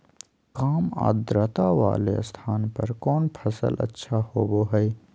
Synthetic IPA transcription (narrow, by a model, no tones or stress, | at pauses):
kaːma̰ːd̪ɾət̪aʋa̰ːlḛst̪ʰaːnpɐɾkɔːnpʰəsə̰lʔə̰tːʃʰahoːboɦəj